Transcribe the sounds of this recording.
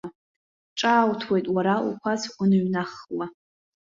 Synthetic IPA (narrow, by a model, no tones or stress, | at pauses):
ʈ͡ʂʼaːwtʰwejtʼwaɾaṵkʷʰazunɨɥnaχla